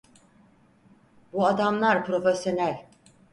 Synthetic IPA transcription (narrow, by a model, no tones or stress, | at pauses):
buad̪amlˠaɾpɾo̞fesjo̞nælʲ